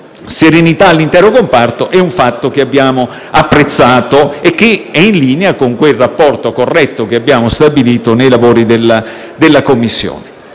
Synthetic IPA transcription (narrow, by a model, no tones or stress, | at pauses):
seɾenit̪aːlːint̪ɛːɾokompart̪oʔɛuɱfat̪ːok̟eabːjaːmo | apːɾet̪sːaːt̪oek̟ːeɛinliːneakoŋkwelrapːɔrt̪okorːɛt̪ːokeabːjaːmost̪abiliːt̪onejlavoːɾid̪elːa | d̪elːakomːisːjo̰ːne